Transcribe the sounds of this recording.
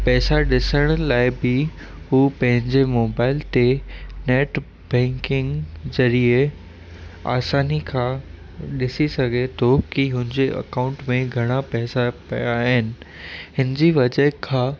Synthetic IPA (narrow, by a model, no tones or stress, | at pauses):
pɛːsaɗɪsəɽ̃laːɪbɪ | ɦuːpɐ̃ɦɪ̃ɲd͡ʑemoːbaːɪlt̪eneːʈ | bɛ̃ːŋkɪ̃ŋɡzɐɾie | a̰ːsaːnikʰãː | ɗɪsisɐɡʱet̪ʰokiɦʊ̃ɦɪ̃ɲd͡ʑeʔɐ̰kaːʊ̃ɳʈmẽɡʱɐɽ̃apɛːsapɐjaɦɪnɪ̆ | ɦɪnɪd͡ʑiʋɐd͡ʑəɦkʰãː